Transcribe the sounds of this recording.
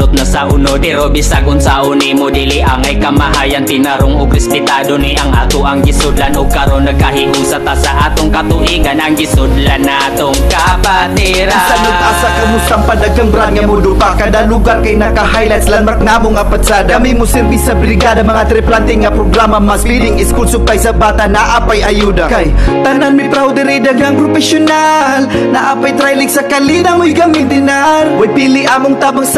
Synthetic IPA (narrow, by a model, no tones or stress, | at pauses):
ʊt̪̚nɐsaʔʊnod̪ɛɾobisakʊnsaʔʊnimod̪iliʔaŋajkɐmaɦajant̪ɪnɐɾoŋoɡɾɛspɪt̪ad̪oniʔɐŋʔa̰ːt̪ʊʔɐŋɡɪsʊd̪lanoɡ̚kɐɾonːɐɡ̚kɐhihusat̪asaʔaːt̪oŋkɐt̪ʊʔiɡanʔɐŋɡɪsʊd̪lanːat̪oŋkapat̪iɾisaʊasakɐmʊst̪aŋpad̪aɡaŋbɾad̪̚ŋɐmʊd̪ʊpakɐd̪alʊɡaɾkajnɐkaɦajlajt̪slɐnmak̚namoŋɐpad̪saːd̪aɐmimʊsɪɾbisɐbɾɪɡad̪ɐmɐŋat̪ɾɛplant̪ɪŋɐpɾoɡɾamɐmaspid̪ɪŋɪskulsʊp̪ajsɐbaːt̪ɐnaʔaːpajʔɐjud̪akajt̪ɐnanmɪpɾawd̪ɛɾɛjd̪ɐɡaŋpɾofɛsjʊnal | nɐʔaːpajt̪ɾajlɪksɐkɐlinamʊjɡɐmɪnd̪ɪnaɾwajpilɪʔaːmoŋt̪aːbaŋs